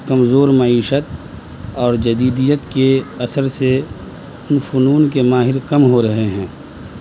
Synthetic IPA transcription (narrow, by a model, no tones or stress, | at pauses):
kɐmzoːɾmɐiːʃət̪̚ | ɔːɾd͡ʒɐd̪iːd̪ijət̪keɐsəɾse | ʊnfʊnuːnkemaːɦɪɾkɐmɦoɾɐɦeɦɛ̃ː